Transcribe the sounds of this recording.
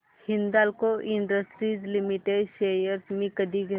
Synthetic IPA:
hɪnd̪aːlkoʔɪɳɖəsʈɾizlimiʈeɖʃeːjəɾsmẽkəd̪iɡ

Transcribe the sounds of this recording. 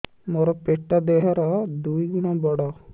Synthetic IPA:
moɾɔpeʈːad̪eɦɔɾɔd̪ujɡuɽ̃ɔbɔɽɔ

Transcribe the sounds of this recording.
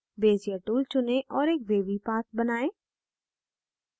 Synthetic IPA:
beːzijəʈuːlt͡ʃʊneʔɔːɾeːk̚ʋeːʋipaːt̪̚ʰbənaːeː

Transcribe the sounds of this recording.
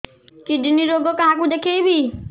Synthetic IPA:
kiɖʱɪniɾoːɡokɐɦãkũd̪ekʰeibʱiː

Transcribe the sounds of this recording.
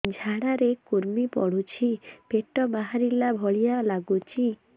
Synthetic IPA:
d͡ʒʱaɽaɾekuɾmipɔ̰ɽ̤ut͡ʃʰipeʈɔbaɦaɾilabʱɔɭijalaɡut͡ʃʰi

